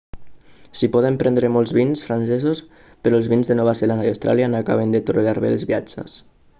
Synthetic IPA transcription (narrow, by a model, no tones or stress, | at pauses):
sipɔðempɾɛnd̪ɾemɔlˠzβinsfɾansɛzos | peɾɔəlˠzβinzðenɔβazeland̪ajawst̪ɾʔa̰ljanoaka̰β̞end̪et̪urelaɾβḛlˠzβiad͡ʒə̰s